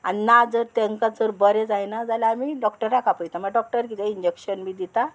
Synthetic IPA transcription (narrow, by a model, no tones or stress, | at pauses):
aninad͡zəɾt̪eŋkat͡səɾbəɾed͡zajnad͡zalaːmiɖɔkʈəɾːakʰapəjt̪aməɡaɖɔk̚ʈəɾkit̪eiɲd͡ʑekɕənmiːd̪it̪a